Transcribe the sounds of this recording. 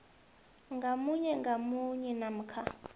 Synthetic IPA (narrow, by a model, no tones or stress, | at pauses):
ŋɡamuɲɛŋɡʱamuɲɛnam̩kʰa